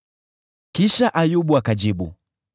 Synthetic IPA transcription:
kiʃaʔajuɓuakad͡ʒiɓṵ

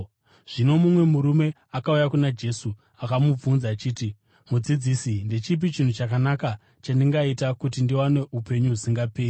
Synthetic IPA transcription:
ʐ̥ino̞mumwe̞muɾume̞ | akaujakunad͡ʒe̞su | akamub͡vunzaːt͡ʃiːti | mud͡zid͡ziːsindet͡ʃip̬it͡ʃin̤ut͡ʃakanaka | t͡ʃandiŋɡaitakutindiwane̞ʔupe̞ɲuɦusiŋɡapeːi

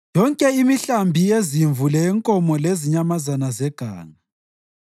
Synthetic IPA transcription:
jɔŋkʼɛimiɬambʱijeziɱvulɛŋkʼɔmɔleziɲamazanazɛɡ̥ʱa̰ːŋa

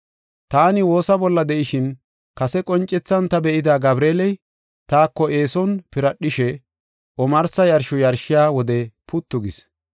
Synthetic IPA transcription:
t̪aːnɪwo̞ːsɐbɔlːɐd̪ɛʔɪʃɪn | kɐsɛkʼɔnt͡ʃʼːɛt͡sːɐnt̪ɐbɛʔɪd̪aːɡɐbɾeːlɛj | t̪aːkːɔʔe̞ːsɔnpɪɾɐɗːɪʃɛ | ʔɔmɐɾsɐjɐɾʃɔjɐɾʃɪjaːwɔd̪ɛpʊt̪ːʊɡɪs

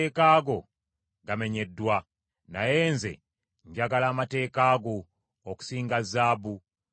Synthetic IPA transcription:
kaːɡo̞ | ɡame̞ɲe̞dːwa | na̰je̞ːnze̞̰ | ɲɟaɡalaːmate̞ːkaːɡo | oku̥siːŋɡazːaːbu

